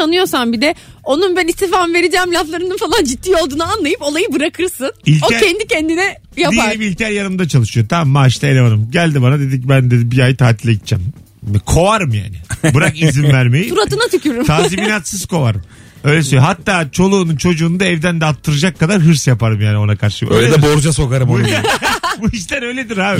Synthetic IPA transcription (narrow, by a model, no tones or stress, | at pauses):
anɯjo̞sambid̪ɛ | o̞nunbønʲist̪ifamve̞ɾid͡ʒɛːmlʲaflˠaɾɯnɯnfalˠand͡ʒit̪ːiːo̞lˠd̪uːnɯanlˠajɯpo̞lˠajɯbɯɾakʰɯɾsɯnilʲoæɾcɛnd̪icɛnd̪inɛ | jaiaeiilʲt̪ʰæɾjanɯmd̪at͡ʃʰalˠɯʃɯjo̞t̪ʰamːaiʃt̪ɛelʲevanɯmɟælʲd̪ibanad̪e̞d̪icbænd̪ed̪ibiajit̪ʰaːt̪ʰilʲːeɟit̪̚ːt͡ʃʰːɛ̰m | kʰo̞vaɾɯmja̰ːnɪbɯɾakizimvæɾmejiuɾat̪ɯnat̪ʰycʰyɾumt̪ʰaːziminat̪sɯz̥kʰo̞vaɾɯm | ø̞jlʲɛsøjoɦat̪ːaːt͡ʃʰo̞lˠuːnunt͡ʃʰo̞d͡ʒuːnd̪aɛvd̪ænd̪ɛat̪ʰːɯɾɯd͡ʒakːad̪aɾɦɯɾsjapaɾɯmjaːnɪo̞nakʰaɾʃɯ̥jø̰jlʲɛed̪ɛbo̞ɾd͡ʒas̬o̞kaɾɯmboj | buiʃ̬lʲæɾø̞jlʲed̪iɾaːbi